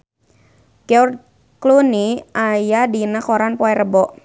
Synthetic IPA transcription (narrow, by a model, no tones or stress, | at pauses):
ɡ̥ɛur | kluniajadinakɔɾanpɔɛrəbɔʔ